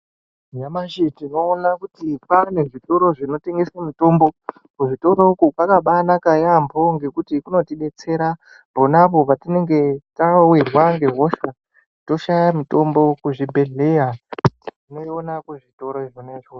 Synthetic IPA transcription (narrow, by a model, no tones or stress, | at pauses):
jamaʃitino̞ːnakutipane̞ʐito̞ɾo̞ʐino̞te̞ŋɡe̞samito̞mbo̞ | kuʐito̞ɾo̞ukukakaɓanakajambʱo̞ŋɡe̞kutikuno̞tiɓe̞t͡se̞ɾa | bʱonapo̞patine̞ŋɡe̞tawirwaŋɡe̞ɦo̞ʃa | to̞ʃajamito̞mbo̞kuʐibʱe̞ɮe̞ja | ine̞onakeʐito̞ɾoiʐoneʐo